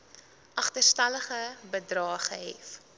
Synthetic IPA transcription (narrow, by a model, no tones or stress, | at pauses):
ʔɐχtərstɐləχəbədrɑːχəɦɛ̰f